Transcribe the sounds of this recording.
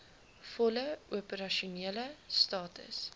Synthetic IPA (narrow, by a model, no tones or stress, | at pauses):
fɔləuəpəɾɐʃuniələstɑːtə̰s